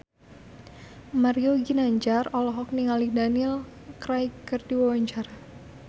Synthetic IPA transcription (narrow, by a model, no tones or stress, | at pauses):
maɾioɡinaɲd͡ʒarɔlɔɦɔk̚niŋalidanilkɾajkərdiwawaɲt͡ʃaɾa